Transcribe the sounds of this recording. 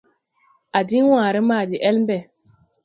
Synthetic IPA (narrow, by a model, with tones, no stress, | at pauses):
a˨di˦n˦wãː˨ɾi˦maː˦˨di˨ʔɛ˦lm˦bɛ˨